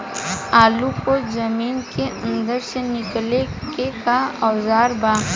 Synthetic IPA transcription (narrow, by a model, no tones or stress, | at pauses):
aːlukod͡ʒɐmiːnkeʔə̃nd̪əɾsenɪkle | kekaɔzaːɾbaː